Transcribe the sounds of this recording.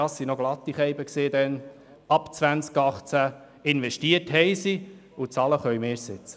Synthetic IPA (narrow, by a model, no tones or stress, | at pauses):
ɑsːinoɡ̥lɑt̪ːiχɛjbəksiːd̪ɛn | ɑpt͡sʋænskɑχt͡sæ | ɪnʋɛʃtiəthɛjsi | ʊt͡sɑːləχœɥmeːsɪt͡sə̥